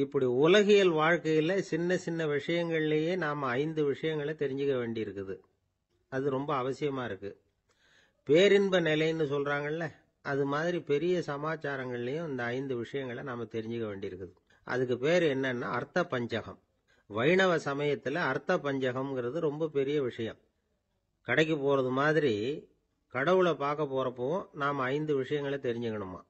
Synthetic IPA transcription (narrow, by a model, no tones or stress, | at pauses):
ɪpːɐɽiʊlɐɣɪjɐlʋaːɻkɐjɪlɐsɪnːɐsɪnːɐʋɪʂɐjɐŋɡɐɭɪlɐjeːnaːmɐːɪnd̪ɯʋɪʂɐjɐŋɡɐɭɐt̪ɛɾɪɲd͡ʒɯkːɐʋeːɳɖɪjɪɾɯkːɯðɯ | ɐðɯɾɔmbɐːʋɐsɪjɐmaːɪɾɯkːɯ | peːɾɪnbɐnɛlɐɪnːɯsɔlraːŋɡɐɭlɐ | ɐðɯmaːðɪɾipɛɾɪjɐsɐmaːt͡ʃːaːɾɐŋɡɐɭɪlɐjʊ̃ɐnd̪ɐːɪnd̪ɯʋɪʂɐjɐŋɡɐɭɐnaːmɐt̪ɛɾɪɲd͡ʒɯkːɐʋḛːɳɖɪjɪɾɯkːɯðɯ | ʔɐ̰ðɯk̬ːɯpeːɾɛnːɐnːa̰ːɐɾt̪ːɐpːɐɲd͡ʒɐɣɐm | ʋɐɪɳɐʋɐsɐmɐjɐt̪ːɪlɐːɾt̪ːɐpːɐɲd͡ʒɐɣɐmɡɪɾɐðɯɾɔmbɐpɛɾɪjɐʋɪʂɐjɐm | kɐɽɛɪk̬ːɐpːoːɾɐðɯmaːðɪɾi | kɐɽɐʋɯɭɐpaːɾkɐpːoːɾɐpːõːnaːmɐɪnd̪ɯʋɪʂɐjɐŋɡɐɭɐt̪ɛɾɪɲd͡ʒɯkːɐɳɯmːa̰ː